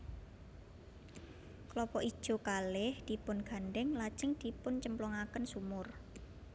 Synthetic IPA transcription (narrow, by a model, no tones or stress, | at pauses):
klɔpɔʔid̥ʒ̥o̤kalɪhd̪̥i̤pʊnɡ̥a̤nɖɛŋlḁt͡ʃɪŋd̪̥i̤pʊnt͡ʃəmplɔŋakənsumʊr